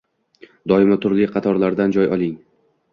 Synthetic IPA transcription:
d̪ɒɪmat̪ʰʊɾlɪqʰɑt̪ʰɒɾlaɾd̪and͡ʒɒjɒlˠɪŋ

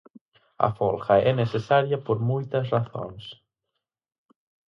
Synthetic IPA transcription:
ɐ̰folxɐɛnesesaɾjɐpoɾmujt̪ɐs̬raθõ̰ŋs

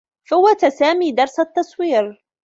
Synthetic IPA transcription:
fawːat̪asaːmiːd̪ɑɾˤsat̪ːɑsˤwiːɾ

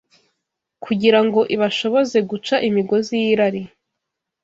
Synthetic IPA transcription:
kʰuɟiɾaŋɡo̞ʔiβaʃo̞βo̞ze̞ɡut͡ʃaʔimiɡo̞zijiɾaɾi

